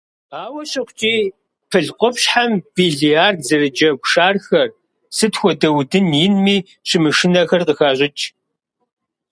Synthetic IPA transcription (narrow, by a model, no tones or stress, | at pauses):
aːwɐɕɪχʷt͡ʃʼiː | pʰɨɮqʷʼɔpɕħamb̥iːɮiaːrzɨrɨd͡ʒɐɡʷʂaːrxɐr | sɨtxʷɔdɐwdɨnjinmiː | ɕɪmɨʂɪnɐxɐrqəxaːʑʷʼɪt͡ʃʼ